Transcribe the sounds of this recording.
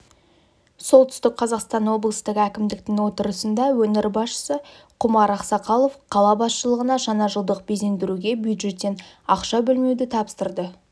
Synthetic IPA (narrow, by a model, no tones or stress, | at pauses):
so̞lˠt̪ʰʏ̥st̪ɪk̚qʰɑzɑqst̪ɑnwo̞blˠəst̪əʁækʲɪmd̪ɪk̚t̪ɪŋwo̞t̪əɾəsənd̪ɑwɵnɪɾbɑsʃə̥sə | qʰʊmɑɾɑqsɑqɑlˠo̞fqʰɑlˠɑbɑsʃəlˠəʁənɑʒɑnɑʒəlˠd̪əq̚beze̞nd̪ɪɾuɡʲe̞bjud̪ʒe̞t̪ːe̞n | ɑqʃɑbɪlme̞wd̪ɪt̪ʰɑpə̥st̪əɾd̪ə